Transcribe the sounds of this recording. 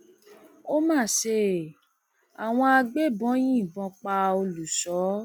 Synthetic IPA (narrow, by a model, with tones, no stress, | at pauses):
o˦mãː˦˨ʃe˧ | a˨w̃ɔ̃˧a˧ɡ͡be˦bɔ̃˨˦j̃ĩ˦˨bɔ̃˧k͡pa˧o˧lu˨sɔ˨˦